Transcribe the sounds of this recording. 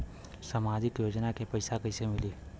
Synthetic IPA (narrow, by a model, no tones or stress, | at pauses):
səmaːd͡ʒɪkjoːd͡ʒnakepɐɪsakɐɪsemɪliː